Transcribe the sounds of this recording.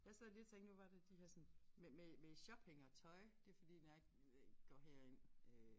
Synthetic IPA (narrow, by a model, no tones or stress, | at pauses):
jɑ̈ɪsɛli̥t͡sʰeŋ̰ɡ̥oʋɑ̈d̥ed̥ihæɐsɒ̽nmememe̥ɕɒb̥heŋɐt͡sʰɒ̽ɪd̥e̝ɐfɒ̽d̥ḭːnɑɡ̥ɡ̥ɒɦeɐ̰en̰ø